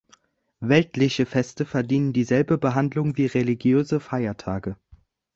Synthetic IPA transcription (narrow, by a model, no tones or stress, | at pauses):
vɛltlɪçəfɛstəfɛɐdiːnəndiːzɛlbəbəɦandlʊŋviːʁeliɡjøːzəfaɪɐtʰaːɡə